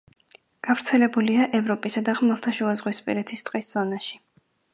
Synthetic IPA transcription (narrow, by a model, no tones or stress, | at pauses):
ɡ̥avɾt̪sʰɛlɛbuliaʔɛvɾɔpʼisad̪aʁmɛlˠt̪ʰaʃuazʁwispʼḭɾɛt̪ʰist̪ʼqʼisz̥ɔnaʃi̥